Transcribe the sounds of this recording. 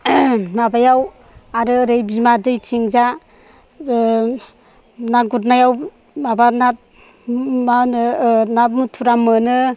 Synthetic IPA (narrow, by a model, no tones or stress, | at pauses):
nabajaw | aɾɯɾejbimadɯjtʰiŋza | naɡut̚najaw | mabana | mannamutʰuɾamɯnɯ